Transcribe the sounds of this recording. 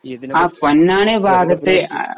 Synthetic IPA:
aːpɐnːaːɳebʱaːɡɐt̪ːḛ

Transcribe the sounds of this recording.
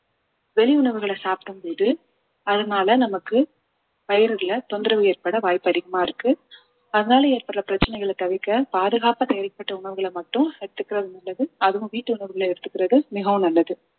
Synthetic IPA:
ʋɛlɪʊɳɐʋɯɣɐɭɐsaːpɾɯmpoːðɯ | ɐðɐnaːlɐnɐmɐkːɯ | pɐjɪɾɯlɐt̪ɔnd̪ɪɾɐʋɯeːɾpɐɽɐʋaːjpɐðɪɣɐmaːɪɾɯkːɯ | ɐðɐnaːlɐeːɾpɐɽɭɐpɪɾɐt͡ʃːɐnɛɪɣɐɭɐt̪ɐʋɪkːɐpaːðɯɣaːpɐt̪ɛjɐɾɐpːɐʈːɐʊɳɐʋɯɣɐɭɐmɐʈːɯ̃ɛɽɯt̪ːɯkːɪɾɐðɯnɐlːɐðɯɐðɯ̃ʋiːʈːɯʊɳɐʋɯɣɐɭɛɽɯt̪ːɯkːɪɾɐðɯmɪɣɐʋɯ̃nɐlːɐðɯ

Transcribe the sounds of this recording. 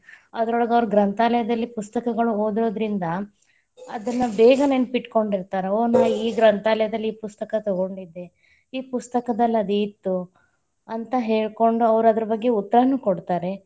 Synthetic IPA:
ɐd̪ɐɾɔɭɐɡɐʋɐɾuɡɾɐnt̪aːlɐjɐd̪ɐlːipust̪ɐkɐɡɐɭuoːd̪iɾo̞ːd̪ɾind̪ɐ | ɐd̪ɐnːɐbeːɡɐneːnpiʈko̞ɳɖiɾt̪aːɾeoːnaːiːɡɾɐnt̪aːlɐjɐd̪ɐlːiiːpust̪ɐkɐt̪ɔɡo̞ɳɖid̪ːe̞ | iːpust̪ɐkɐd̪ɐlːiɐd̪uit̪ːu | ɐnt̪ɐɦe̞ːɭko̞ɳɖuɐʋɐɾɐd̪ɐɾɐbɐɡːe̞ut̪ːɐɾɐnuːkoɽt̪aːɾe̞

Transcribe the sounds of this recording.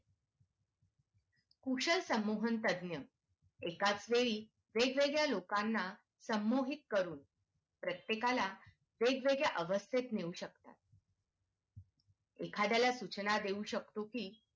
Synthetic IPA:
kuʂəlsəmːoɦənt̪əd̪njə | ekat͡sʋeɭiː | ʋeɡʋeɡɭjalokanːa | səmːoɦit̪̚kəɾuːn | pɾət̪jekala | ʋeɡʋeɡɭjaʔəʋəst̪ʰet̪neuɕəkt̪a̰t̪̚ | ekʰad̪jalasut͡ɕnad̪euɕəkt̪okiː

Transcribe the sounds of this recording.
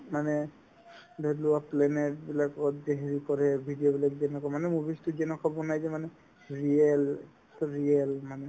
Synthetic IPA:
manɛ | bʱeluaplɛnɛtbilakɔɔtdeɦeɹikɔɹɛbʱidijɔbilakzɛnɛkɔmanɛmubistuzɛnɛkɔbɔnajzɛmanɛ | ɹiɛl | ɹiɛlmanɛ

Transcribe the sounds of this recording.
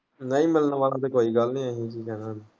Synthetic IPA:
nəĩːmɪlnʋaːlãt̪ekoːiɡaːlnĩːaːɦĩːt͡ʃʰiːkɛːnaːd

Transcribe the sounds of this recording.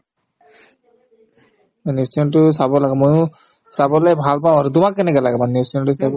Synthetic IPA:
nisɔntʊs̬abɔlaɡɛmɔjʊ̃ | sabɔlɛbʱalpaʊ̃aɾut̪̬umakːɛnɛkɔlaɡɛmanisɔntusab

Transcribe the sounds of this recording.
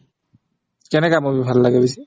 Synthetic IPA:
kɛnɛkamobibʱalːaɡɛbisi

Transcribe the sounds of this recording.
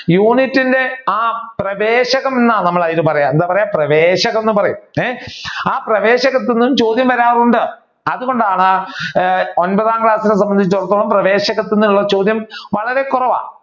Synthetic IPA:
juːnitːinde̞aːprɐʋeːɕɐɣɐmenːaːnɐmːɐɭɐjilɨpɐrɐjamend̪aːpɐrɐjaːprɐʋeːɕɐɣɐmenːɨpɐrɐjṵmeaːprɐʋe̞ːɕɐɣɐt̪ːenːumt͡ɕo̞ːd̪jɐmʋɐɾaːʋɐruɳɖɨ | ɐðuɣo̞ɳɖaːɳɨ | onbɐðaːŋkɭaːsinesɐmbɐnd̪it͡ɕːt̪urɐt̪ːoːɭɐmprɐʋe̞ːɕɐɣɐt̪ːenːumuɭːɐt͡ɕo̞ːd̪jɐmʋɐɭɐɾe̞kurɐʋa̰ː

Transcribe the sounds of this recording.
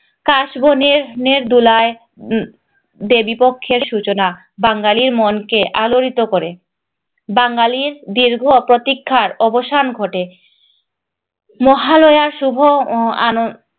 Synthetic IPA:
kaʃbʱoneɾneɾd̪ulae | d̪ebipokʰːeɾʃut͡ɕona | baŋɡaliɾmonkeʔaloɾit̪okoɾe | baŋɡaliɾd̪iɾɡʱopɾot̪ikʰːaɾɔboʃanɡʱoʈe | mɔɦalojaɾʃubʱoa̰no

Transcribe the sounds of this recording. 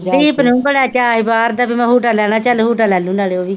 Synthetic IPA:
eːpənũːbəɽaːt͡ʃaːɦɪbaːɾd̪aːpimɛ̃ːɦuːʈaːlɛːnãːt͡ʃəlɦuːʈaːlɛːlũːnaːleːoːʋiː

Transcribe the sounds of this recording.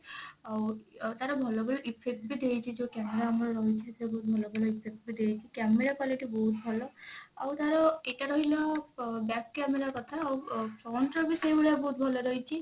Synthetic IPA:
awt̪aɾɔbʱɔlɔbɔlɔʔipʰekʈ̚bid̪eit͡ʃʰid͡ʒekameɾaːmɔɾɔɾɔɦit͡ʃʰisbɔɦut̪̚bʱɔlɔbɔlɔipʰek̚ʈ̚bid̪eɦjt͡ʃʰikameɾakwaliʈibɔɦut̪̚bʱɔlɔa̰wt̪aɾɔeʈaɾɔɦilɔbakkameɾakɔt̪ʰaːwpʰɾɔwnʈɾɔbisɔjbɔlabɔɦut̪bʱɔlɔɾɔɦjt͡ʃʰi

